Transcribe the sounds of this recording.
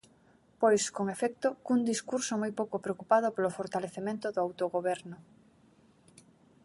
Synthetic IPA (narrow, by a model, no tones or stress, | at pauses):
pojskoŋefɛk̚t̪okuŋd̪iskuɾsomojpowkopɾeokupað̞ʊpolofoɾt̪aleθemẽnt̪ʊðoawt̪oɣoβɛɾnʊ